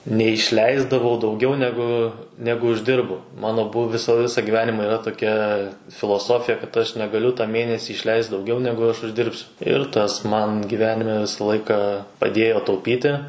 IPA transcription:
nʲɛɪʃʲˈlʲɛɪzdɐʋɐʊ dɐʊˈɡʲɛʊ nʲɛˈɡʊ ˈnʲæːɡʊ ʊʒʲˈdʲɪrbʊ ˈmɑːnoː ˈbʊw ˈʋʲɪsɐ ˈʋʲɪsɑː ɡʲiːˈʋʲæːnʲɪmɑː iːˈrɐ toːˈkʲɛ fʲɪlˠoːˈsoːfʲɪjɛ kɐt ˈɐʃ nʲɛɡɐˈlʲʊ tɐ ˈmʲeːnʲɛsʲiː ˈɪʃʲlʲɛɪst dɐʊˈɡʲɛʊ ˈnʲæːɡʊ ɐʃ ˈʊʒʲdʲɪrʲpʲsʲʊ ɪr ˈtɐs ˈmɐn ɡʲɪˈʋʲæːnʲɪmʲɛ ˈʋʲɪsɐ ˈlˠɐɪkɑː pɐˈdʲeːjoː tɐʊˈpʲiːtʲɪ

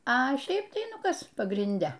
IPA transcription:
ɐ ˈʃʲɛɪp tɐɪ ˈnʊ ˈkɐs pɐɡrʲɪnʲˈdʲɛ

